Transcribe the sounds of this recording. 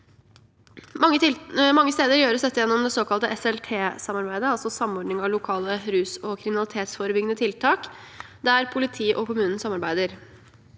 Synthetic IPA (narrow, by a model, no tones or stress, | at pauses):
ŋːəmɑŋːəst̪eːd̪əɾjøːɾəsd̪ɛt̪ːɪjɛnːɔmd̪ɛsoːkɑlt̪əʔɛsɛlt̪ʰeːsɑmɑɾbæɪd̪əɑlsɔsɑmɔɖnɪŋɑʋlʊkʰɑːləɾʉːsɔkʰɾɪmɪnɑlɪt̪ʰeːt̪sfoːɾəbʏɡənət̪ʰɪlt̪ʰɑːk | d̪æɾpʰʊlɪt̪ʰiːʔɔkʊmʉːnn̩sɑmɑɾbæɪd̪əɾ